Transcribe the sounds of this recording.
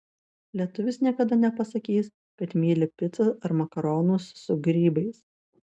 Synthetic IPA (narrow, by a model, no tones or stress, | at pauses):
lʲiɛt̪ʊʋʲɪsnʲiɛkɐd̪ɐnʲɛpɐsɐkʲiːs | kɐt̪mʲiːlʲɪpʲɪt̪sɐsɐɾmɐkɐɾoːnʊsːʊɡɾʲiːbɐɪs